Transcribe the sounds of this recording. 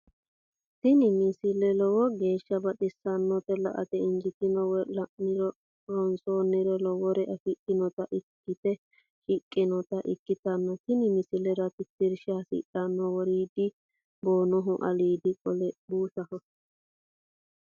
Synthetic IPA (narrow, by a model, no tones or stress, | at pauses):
t̪ɪnɪmɪsɪlɛlɔwɔɡe̞ːʃːɐbɐɗɪsːɐnːɔt̪ɛlɐʔɐ̰t̪ɛɪnd͡ʒɪt̪ɪnɔwlɐʔnɪɾɔ | ɔnsoːnːɪɾɔlɔwɔɾɛʔɐfɪkʼːɪnɔt̪ɐʔɪkːɪt̪ɛ | ʃɪkʼːɪnɔt̪ɐʔɪ̰kːɪt̪ɐnːɔt̪ɪnɪmɪsɪlɛɾɐt̪ɪt̪ːɪɾʃɐsɪ̰ᶑɐnːɔwɔɾiːd̪ɪ | boːnɔɦʊʔɐ̰liːd̪ɪkʼɔlɛbuːʃɐhɔ